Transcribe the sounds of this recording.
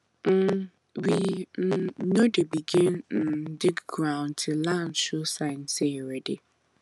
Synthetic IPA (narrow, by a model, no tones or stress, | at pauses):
n̩ | win̩nodebiɡɪnn̩dɪkɡɾaʊ̃ntʰɪlant͡ʃosaɪnseɾede